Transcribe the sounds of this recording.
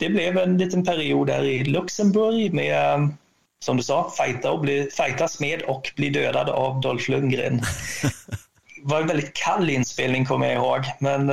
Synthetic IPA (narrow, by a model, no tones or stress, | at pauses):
d̪̥ɛblɛvɛnliːt̪ənpʰæɾɪuːd̪hæ̰ːɾɪlɵksəmbɵɾjmɛ | sɔmd̪ɵsɑːfajt̪aɔbliːfajt̪asmeːd̪ɔkbliːd̪øːd̪a̰d̪avd̪ɔlflɵŋɡɾɪ̰ːn | vaɾɛnvɛld̪ɪt̪̚kʰalːɪnspeːlnɪŋkʰɔmːəja̰ɪhoːɡmɛn